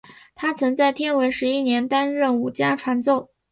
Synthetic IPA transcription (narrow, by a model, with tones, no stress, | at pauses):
t̪ʰa˥t͡sʰɤ˧˥ŋt͡sa˥˩ɪt̪ʰjɛ˥˩nwe˧˥ɪʂɻ̩˧˥i˥njɛ˧˥nt̪a˥nɻə˥˩nu˨˩t͡ɕja˥ʈ͡ʂʰwa˧˥nt͡so˥˩ʊ